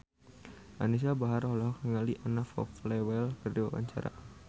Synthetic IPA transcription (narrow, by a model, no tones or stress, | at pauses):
ʔanis̬abaɦaɾɔlɔɦɔk̚nəŋaliʔanafɔ̰klɛwɛlkərdiwa̰wa̰ɲt͡ʃa̰ɾa̰